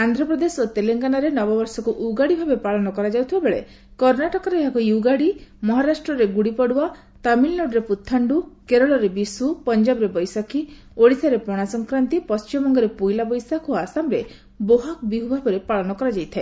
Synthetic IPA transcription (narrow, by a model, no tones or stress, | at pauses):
and̪ʱɾɔpɾɔd̪esot̪eleŋɡanaɾenɔbɔbɔɾsɔkuʔuɡaɽibʱabepaɭɔnɔkɔɾad͡ʒawt̪ʰibabeɭḛ | kɔɾnaʈɔkɔɾeːɦakujuɡaɽimɔɦaɾasʈɾɔɾeɡuɽipɔɽua | t̪amilloɖɾeput̪ʰːaɳɖukeɾɔɭɔɾebisupɔnd͡ʒabɔɾebɔjsakʰi | oɽisaɾepɔɽ̃asɔŋkɾant̪ipɔst͡ʃimɔŋɡɔɾepujlabɔjsakʰoasamɾe | boɦak̚biɦubʱabɔɾepaɭɔnɔkɔɾad͡ʒajt̪ʰae